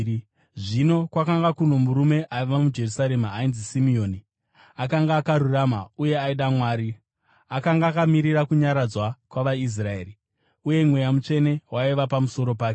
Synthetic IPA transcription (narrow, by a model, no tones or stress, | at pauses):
ʐino̞kwakaŋɡakuno̞muɾume̞ʔaiʋamud͡ʒe̞rusaɾe̞maːinzisimio̞ːni | akaŋɡaːkaɾuramauje̞aiɗamwaːɾi | akaŋɡaːkamiɾiɾakuɲaɾad͡zwakwaʋais̬rae̞ːɾi | uje̞mwe̞jamut͡ʂe̞ne̞waiʋapamuso̞ɾo̞paːke